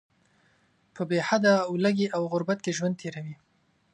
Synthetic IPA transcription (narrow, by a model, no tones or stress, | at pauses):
pəbehad̪awlaɡeʔawɣʊɾbat̪keʒwand̪̚t̪ʰeɾawi